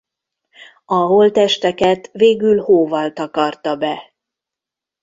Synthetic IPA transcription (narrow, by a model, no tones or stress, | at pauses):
ɒɦolt̪ɛʃt̪ɛkɛt̪veːɡylhoːvɒlt̪ɒkɒrt̪ɒbɛ